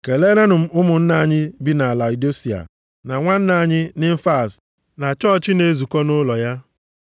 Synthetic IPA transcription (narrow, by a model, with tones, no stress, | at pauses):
ke˨le˦na˦nʊ˨m̩˨ʊ˦mʊ˨n̩˦na˨˦˨ɲɪ˦bi˦na˨a˨la˨i˨do˦si˨a̰˨ | na˨ŋʷa˦n̩˦na˨ɲɪ˦nɪ˦m̩˦fa˦˨s | na˨t͡ʃɔ˦˨t͡ʃɪ˦ne˦zu˨kɔ˦nʊ˦lɔ˨ja˦